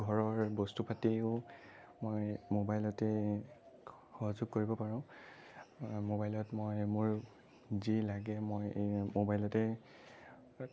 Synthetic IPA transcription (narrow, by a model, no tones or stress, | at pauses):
ɡʱɔɹɔɹbostupatiʊ | mojmobajlɔtɛ | xɔɦazʊɡ̚koɹibɔpaɹɔ̃ʊ | mobajlɔtmojmʊɹ | zilaɡɛmojmobajlɔtɛ